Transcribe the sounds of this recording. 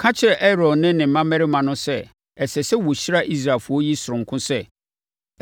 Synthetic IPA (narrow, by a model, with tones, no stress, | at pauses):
kʰã˦t͡ɕʰɪ˦ɾɛ˨ʔɛ˦ɾɔ˨dnɪ̃˦nɪ̃˨m̩˦mã˦mɛ˦ɾɪ˦mã˨nʊ̃˦sɛ˦ | ɛ˨sɛ˨sɛ˦wo˨ɕi˦ɾa˦ʔi˦s̬ɾa˨fʊ˨˦ɔ˦ji˦sʊ˨ʊ̃˨ŋ˨kʰʊ̃˦sɛ˦